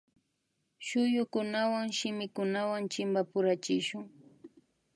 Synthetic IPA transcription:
ʃʊjʊkʊnawaŋʃɪmɪkʊnawaŋt͡ʃɪmbapʊɾat͡ʃɪʃʊŋ

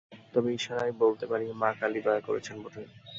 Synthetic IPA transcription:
t̪ɔbeiʃaɾajbolt̪epaɾimakalib̪ɔekoɾḛt͡ɕʰenboʈʰe

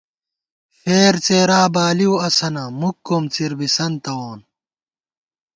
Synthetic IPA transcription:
feːɾt͡seːɾaːbaːliwɐsɐnɐmukːomt͡siɾbisɐnt̪ɐwoːn

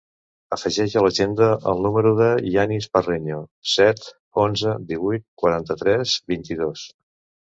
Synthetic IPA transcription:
əfəʒɛʒələʒend̪əʔə̰lˠnuməɾuðəianispəreɲosɛt̪ | onzəd̪iβujt̪̚kwəɾant̪ət̪ɾɛzbint̪iðos

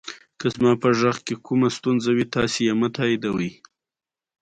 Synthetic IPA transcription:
kəzmɑpəʒaxkekʰumast̪unzawit̪ɑsejamat̪ʰɑid̪awəj

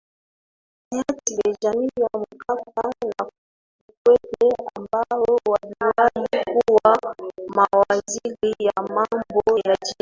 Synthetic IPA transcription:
iatiɓɛd͡ʒamijamukakana | ukwɛteambajɔwaviwajikuwamawazilijamambɔjad͡ʒi

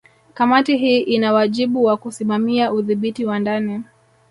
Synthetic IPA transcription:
kamatiɦiːʔinawaʄiɓuwakusimamiaʔuðiɓitiwandani

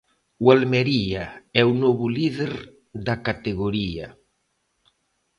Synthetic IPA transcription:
ualmeɾiaɛunoβuliðeɾ | d̪akat̪eɣoɾia̰

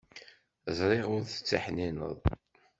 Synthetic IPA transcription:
əzˤɾˤɪʁʊɾθə̥t͡sːaħninə̰ðˤ

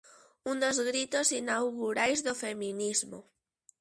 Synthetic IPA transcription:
und̪ozɣɾit̪osinawɣuɾajzðofemĩnizmo̰

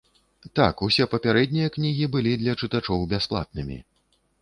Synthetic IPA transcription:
t̪a̰kusʲɛpɐpʲaɾɛd̪ʲnʲijɐknʲiɣʲibɨlʲid̪lʲɐt͡ʂɨt̪at͡ʂɔwbʲasplˠa̰t̪̚nɨmʲḭ

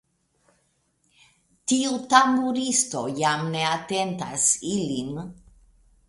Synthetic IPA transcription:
tiutamuɾisto̞jamne̞ate̞nta̰silin

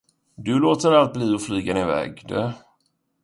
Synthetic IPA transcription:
d̪ɵloːt̪əɾalt̪̚bliːɔflyːɡanɪvɛ̰ːɡd̪ɛ

